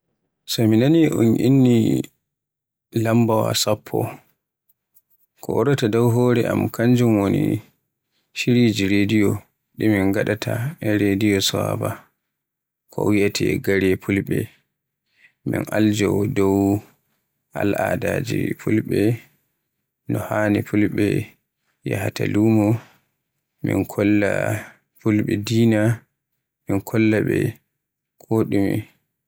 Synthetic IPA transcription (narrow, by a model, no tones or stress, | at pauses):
sɔminaniʔunʔinːi | lambawa̰sapʰːɔ̰ | kʰɔʔɔɾɔtadɔwɦɔːɾɛʔamkaɲd͡ʒumwonḭ | ʃiɾid͡ʒiɾedijɔ | ɗiminɡaɗatʰaɛɾedijɔsa̰ba | kʰɔwijatʰiɡaɾɛpʰulɓɛ | minʔald͡ʒɔdɔw | ʔalʔadaːd͡ʒipʰulɓɛ | nɔhanipʰulɓɛ | jahatalumɔ | mḭnkʰɔlːa | pulɓɛdiːna | minkʰɔlːaɓɛ | kʰɔɗimḭn